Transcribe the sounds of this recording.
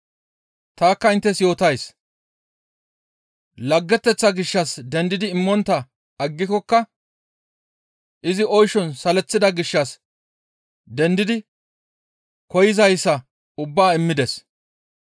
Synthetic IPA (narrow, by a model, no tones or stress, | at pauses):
t̪aːkːɐɪnt̪ːɛsjo̞ːt̪ɐjs | lɐɡːɛt̪ːɛt͡sːɐɡɪʃːɐsd̪ɛnd̪ɪd̪ɪːmːɔnt̪ːɐ | ɐɡːɪkɔkːɐ | ʔɪzɪʔɔjʃɔnsɐlɛt͡sːɪd̪ɐɡɪʃːɐs | d̪ɛnd̪ɪd̪ɪ | kɔjɪzɐjsːɐ | ʊbːaːɪmːɪd̪ɛs